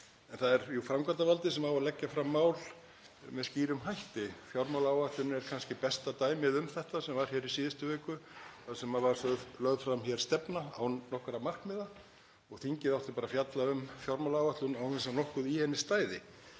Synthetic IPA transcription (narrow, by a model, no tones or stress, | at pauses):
ɛnθaðɛɾjufɾamkant̪avalt̪ɪsɛmawalɛcːafɾamːaːwl | mɛðsciːɾʏmɦajht̪ɪfjawɾmawlaawvaht̪lʏnɛɾ̥kʰanscɪpɛst̪at̪aːjmɪðʏmθɛht̪asɛmvaɾ̥çɛɾisiːðɪst̪ʏvɛːkʏθasɛmavaɾ̥œðlœðfɾamçjɛɾ̥st̪ɛpnaawnɔhkɾamar̥kmɪða | ɔɣθiɲcɪðawt̪ɪɾpaːɾafjat̪laʏmfjɔwɾmawlawvaht̪lʏnawkɛnsanɔhkʏðihɛnːɪst̪aːjðɪ